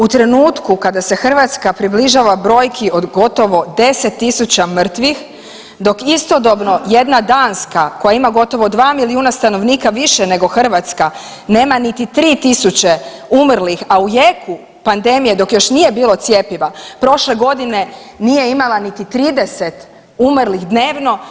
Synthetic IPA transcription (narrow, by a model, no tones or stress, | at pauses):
ut̪ɾe̞nuːt̪kukad̪ase̞xr̩ʋat̪skapɾibliʒaʋabɾo̞ːjkʰio̞d̪ɡo̞t̪o̞ʋo̞d̪e̞set̪ːisut͡ɕamr̩t̪ʋix | d̪o̞kist̪o̞d̪o̞bno̞je̞d̪nad̪aːnskako̞jaimaɡo̞t̪o̞ʋo̞d̪ʋaːmiliuːnast̪ano̞ʋniːkaʋiʃene̞ɡo̞xr̩ʋat̪ska | ne̞ːmanit̪it̪ɾiːt̪isut͡ɕe | umrlixaujekʰu | pand̪e̞mije̞d̪o̞kjo̞ʃnije̞biːlˠo̞t̪sje̞piʋapɾo̞ʃle̞ɡo̞d̪ine̞ | nije̞imalˠanit̪it̪ɾiːd̪eset̪ | umɾlixd̪neːʋno̞